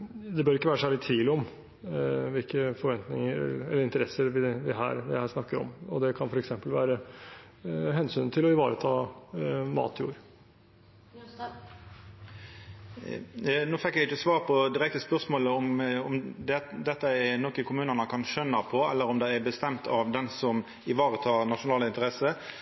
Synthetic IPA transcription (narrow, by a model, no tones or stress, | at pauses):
d̪ɛbœɾɪkːəʋæːɾəʂsæːɭɪt̪ʰiːlɔm | ʋɪlkəfɔɾʋɛnt̪nɪŋəɾɛləɾɪnt̪əɾɛsːəɾʋɪʋɪɦæ̰ːɾʋɪhæːʂnɑkːəɾɔ̰mɔd̪ɛkʰɑnfɔɾɛksɛmpəlʋæːɾə | ɦɛnsyːnt̪ʰɪlɔɪʋɑːɾət̪ʰɑː | mɑ̰ːt̪ʰjṵːɾ | noːfɛkːjɛɡɪt͡ʃːəsʋɑːʁpʰɔd̪ɪɾɛk̚t̪əspœʁsmoːləɔmɔmd̪ɛd̪ɛt̪ːəɛnɔkəkʰʊmʉːnənəkʰɑnʃœnːəpʰɔɛlːəɾɔmd̪ɛæbəst̪ɛmt̪ʰɑʋd̪ɛnsɔm | ɪʋɑːɾət̪ʰɑːʁnɑʂʊnɑːləɪnt̪əɾɛsə